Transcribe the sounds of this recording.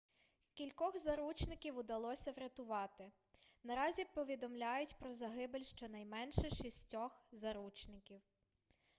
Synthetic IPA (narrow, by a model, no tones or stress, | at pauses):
kʲilʲkɔxzɐɾut͡ʃnɪkʲiwʊd̪ɐlˠɔsʲɐʋɾʲɐt̪ʊʋɑt̪ɪ | nɐɾɑzʲipɔʋʲid̪ɔmlʲajʊtʲpɾɔzɐɦɪbelʲʃt͡ʃɔnɐjmɛnʃɛʃisʲtʲɔxzɐɾut͡ʃnɪkʲiw